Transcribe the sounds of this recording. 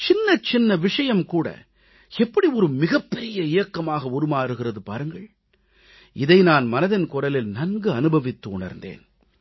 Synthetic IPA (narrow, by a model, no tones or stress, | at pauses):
t͡ʃɪnːɐt͡ʃɪnːɐʋɪʂɐjɐmkuːɽɐ̰ | ɛpːɐɽiɔɾɯmɪɣɐpːɛɾɪjɐɪjɐkːɐmaːɣɐʊɾɯmaːɾɯɣɪrɐðɯpa̰ːɾɯŋɡɐɭ | ɪðɐɪnaːnmɐnɐðɪnkʊɾɐlɪlnɐnɡɯɐnɯbɐʋɪt̪ːɯʊɳɐ̰ɾnd̪ḛːn